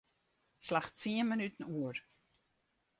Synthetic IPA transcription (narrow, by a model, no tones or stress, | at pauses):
slaχtt͡siənmənyt̪ən̩uəɾ